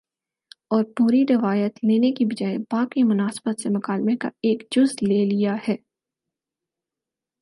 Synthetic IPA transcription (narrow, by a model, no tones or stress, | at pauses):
ɔːɾpuːɾiɾɪʋaːjət̪leːnekibɐd͡ʒaːebaːkimʊnaːsbət̪semʊkaːlmeka̰eːkd͡ʒʊzleːlijahɛː